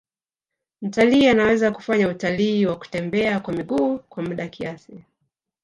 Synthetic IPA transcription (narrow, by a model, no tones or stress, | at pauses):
m̩taliːanawɛzaku̥faɲautaliːwaku̥tɛmbɛakwamiɠuːkwamuɗakiasi